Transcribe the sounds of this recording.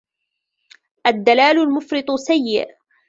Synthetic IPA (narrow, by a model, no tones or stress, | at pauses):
ʔad̪ːalaːlʊlmʊfɾɨt̪ˤʊsajːɪ̰ʔ